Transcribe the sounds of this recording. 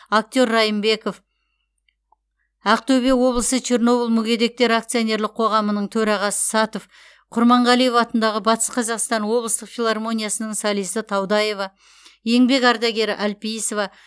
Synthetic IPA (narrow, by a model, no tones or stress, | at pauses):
ak̚t̪jo̞ɾːɑjəmbe̞ko̞f | ɑq̚t̪ɵbe̞wo̞blˠəsət͡ʃʰerno̞bəlˠmʊɡʲe̞d̪e̞k̚t̪e̞ɾak̚t̪sɨjo̞ne̞ɾlɪq̚qʰo̞ʁɑmənəɴt̪ʰɵɾɑʁɑsə̥sɑt̪o̞f | qʰʊɾmɑɴʁɑlˠije̞vɑt̪ənd̪ɑʁəbɑt̪ə̥sqʰɑzɑqst̪ɑnwo̞blˠəst̪əqfʲilˠarmo̞nʲijasənəɴsɑlˠijsət̪ʰɑwd̪ɑje̞vɑ | je̞ŋbe̞kɑɾd̪ɑɡʲe̞ɾɪ̰ʔælpijsovɑ